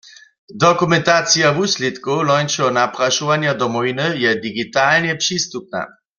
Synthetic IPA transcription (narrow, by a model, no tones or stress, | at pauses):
d̪ɔkumɛnt̪at͡sijavuslit̪kolɔjnt͡ʃɛɦɔnapʁaʃuʋanjad̪ɔmɔvinəjɛd̪iɡit̪alnjɛpʂist̪up̚na̰